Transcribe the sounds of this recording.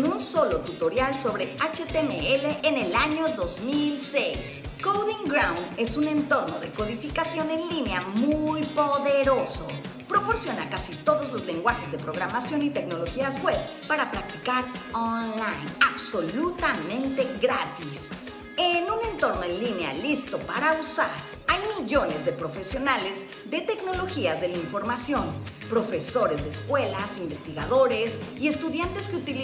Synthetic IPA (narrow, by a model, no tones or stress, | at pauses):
nunso̞lo̞t̪ut̪o̞ɾjalso̞βɾe̞at͡ʃet̪emḛeleʔːne̞laɲo̞ðo̞zmilsejs | kowðiŋɡɾawne̞sunẽ̞nt̪o̞ɾno̞ðe̞ko̞ðifikasjo̞ne̞nlineamujpo̞ðeɾo̞so̞̰ | pɾo̞po̞ɾsjo̞nakasit̪o̞ðo̞zlo̞zle̞ŋɡwaxe̞zðe̞pɾo̞ɣɾamasjo̞nit̪e̞kno̞loxiazɣwe̞βpaɾapɾak̚t̪i̥kaɾonlajnaβso̞lut̪amẽ̞nt̪e̞ɣɾat̪is | enũne̞nt̪o̞ɾnoenlinea̰list̪o̞paɾausa̰ɾ | ajmiʝo̞ne̞zðe̞pɾo̞fe̞sjo̞nale̞z | ðe̞t̪e̞kno̞lo̞xiazðe̞laiɱfo̞ɾmasjo̞npɾo̞fe̞so̞ɾe̞zðeskwe̞lasimbe̞st̪iɣaðo̞ɾe̞sie̞st̪uðjant̪e̞skeut̪il